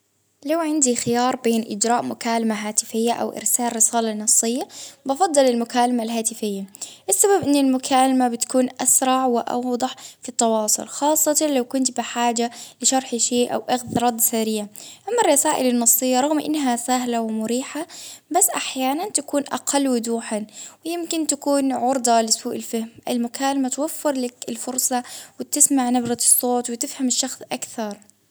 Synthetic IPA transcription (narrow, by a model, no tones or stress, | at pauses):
lawʕɪnd̪ixɪjɑːɾˤbeːnʔɪ̰d͡ʒɾɑːʔmʊkaːlamaɦaːt̪ɪfɪjːaʔa̰wʔɪ̰ɾsaːlɾɪsaːlɑnːɑsˤːɨjːabɑfɑd̪ˤːɨlɪlmʊkaːlamalɦaːt̪ɪfɪjːaʔɪsːababʔɪnːɪlmʊkʰaːlamabɪt̪kuːnʔasɾˤɑʕwɪʔɑ̰wd̪ˤɑħfit̪ˤːɑwɑːsˤʊ̰lxɑːsˤːɑt̪ɑlawkʊnt̪bɪħaːd͡ʒalɪʃɑɾˤħʃeːʔa̰wʔaɣðɾˤɑd̪ˤːsaɾijʕaʔamːɑrˤːɑsaːʔɪlɪnːɑsˤːɨjːɑɾˤɑɣmʔɪ̰nːɦasaɦlawɪmʊɾiːħabasːʔaħjaːnant̪akuːnʔɑ̰qʰɑlːwɪd̪uːħawɪjɪmkɪnt̪akuːnʕʊɾd̪ˤɑlɪsuːʔɪlfahmʔɪlmʊkʰaːlamat̪wafːɪɾˤlakɪlfʊɾsˤɑwɪt̪ɪsmaʕnabɾɑsˤːoːt̪wɪt̪ɪfhamɪʃːɑxsˤʔakθɑɾˤ